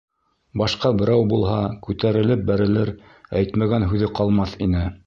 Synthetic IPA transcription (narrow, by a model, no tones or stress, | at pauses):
bɑʃqɑbɘ̆ɾæwbulˠɦɑkʉt̪æɾɘ̆lɘp̚bæɾɘ̆lɘɾ | æjt̪mæɡænɦʉðɘqɑlˠmɑθinɘ